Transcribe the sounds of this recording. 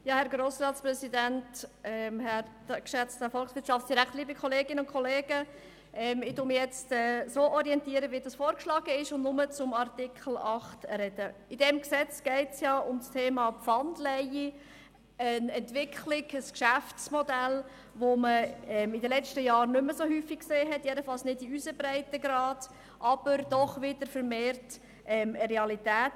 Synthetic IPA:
jɑːhɛɾɡɾoːsrɑːtsprɛsidæntɛmhɛɾdkʃɛt͡stəfɔlχsʋɪtʃɑftt͡sd̥iɾækχtliːbikʰχɔleːɡɪnəʊnkʰɔleːɡ̥ə | ʔɛmɪtumɪjɛt͡stɛːsoːʔɔɾiɛntiːəɾəʋidɑsfoːɾkʃlɑːɡ̥əɪʃʊndnʊmət͡sʊmɑɾtɪkʰl̩ɑχtɾɛd̥əidɛmksɛt͡sɡ̥ɛɪtjɑːʊmstʰeːmɑːpfɑndlɛji | ənɛntʋɪkχlɪɡəskʃæft͡smɔdæl | ʋoməɛmɪdəlɛt͡ʃtəjɑːɾnʏməsohyːfːikkseːɦɛtjɛdəfɑlsnɪdiyzəbɾæɪtəɡɾɑːd̥ | ʔɑb̥əɾd̥ɔχʋɪd̥əɾfəɾmeːrt | ʔɛməɾɛɑlitæːt

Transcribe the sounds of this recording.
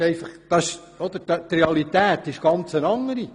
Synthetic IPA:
ɛɪfɑχd̥ɑʃ | ɔd̥̪əɾdɑt̪reɑlit̪æːt̪ɪʃɡ̥ɑnt͡sənɑŋːəɾi

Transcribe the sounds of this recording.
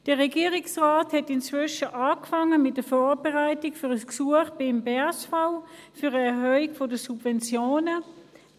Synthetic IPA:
d̥əʁɛɡiːʁɪksʁaːthɛtɪnt͡sv̥ʏʃəʔaːkfaŋːəmɪt̚d̥əfɔːʁbɛʁaɪtɪkfyːʁəsksuəχb̥ɪmbɛsfaʊfyʁəɛʁhœːiɡfodəsubvɛnt͡sjoːnə

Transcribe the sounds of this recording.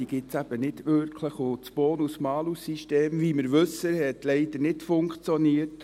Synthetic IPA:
iɡ̥ɪtsæb̥ənɪdʋʏɾkʰləχʊt͡sb̥oːnusmɑːlusiʃteːmʋiːməɾʋɵsəhɛtlɛɪd̥̪ənɪtfʊŋkχt͡sjɔniət

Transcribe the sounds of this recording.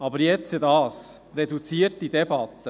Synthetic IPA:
ɑbəɾjɛt͡səd̪ɑːs | ɾɛd̪ut͡siːət̚d̥id̪ɛbɑt̪ːə

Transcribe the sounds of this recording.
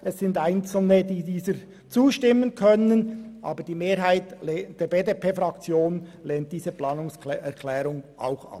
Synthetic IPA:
ʔɛsːɪndaɪnt͡sl̩nədiːdiːzəɾ | t͡suːʃtɪmːənkʰœnənʔɑ̰ːbəɾd̥iːmeːɾɦaɪtːd̥eːɾbeːdepʰeːfɾʁɑkt͡sjoːnleːnt̚d̥iːzəplɑːnʊŋsɛɾkʰlɛːɾʊŋʔa̰ʊxɑ̰p

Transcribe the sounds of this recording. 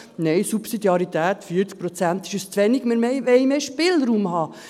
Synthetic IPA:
nɛjsupsid̪jɑɾit̪æːt̪fiːəɾt͡sk̚pɾɔt͡sænt̪ɪʃəst͡sʋɛniɡ̥mɪɾmeʋɛjmeːʃpɪlɾuːmhɑː

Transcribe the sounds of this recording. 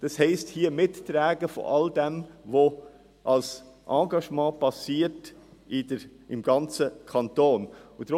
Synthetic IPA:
d̥ɑshɛɪsthiəmɪtːɾɛːɡəfo̰ʔɑldɛmʋo | ʔɑlsʔɑ̃ːɡɑʃmɑ̃ːpɑsiːətɪd | ɪmɡ̥ɑnt͡səkʰɑntoːnʊd̥ɾʊ

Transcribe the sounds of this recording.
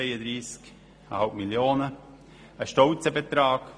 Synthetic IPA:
eɪəd̪ɾiːsk | əhalp̚miljoːnə | əʃtɔlt͡səbet̪ɾaːɡ̥

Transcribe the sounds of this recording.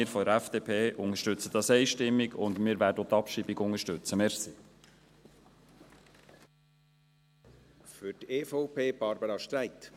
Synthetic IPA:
ɪɾfɔdəɾæfd̥epʰeːʔʊŋəʃtʏt͡sət̪ɑsɛɪʃtɪmːiɡʊ̰nd̪mɪːɾʋæːɾdəot̪ɑpʃiːbɪɡʊŋəʃtʉt͡səmɛɾsiː | fʏteːfɔʊpʰeːb̥ɑɾbəɾɑʃtɾæɪt̪

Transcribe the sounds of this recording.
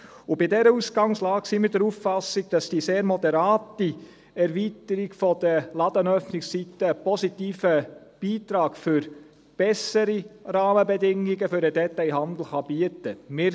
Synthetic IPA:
ʊbɪdɛɾəusɡ̥ɑŋslɑːksiːmɪɾdɛɾuffɑsɪɡ̚d̥ɑsd̥iːseːɾmɔdɛɾaːti | ɛɾvitəɾɪɡfɔd̥̪əlɑd̥̪ənœfnɪkssit̪ːəpɔsitiːfəb̥iːtɾɑːɡfʏɾ | b̥ɛsəɾirɑːməbɛdɪŋːiɡəfʏɾədɛtaɪɦɑnd̪l̩ˠχɑb̥iətəmɪːɾ

